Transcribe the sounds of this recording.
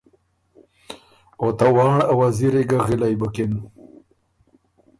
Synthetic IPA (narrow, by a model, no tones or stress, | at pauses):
ot̪awɑːɳawaziɾiɡaɣilajbukin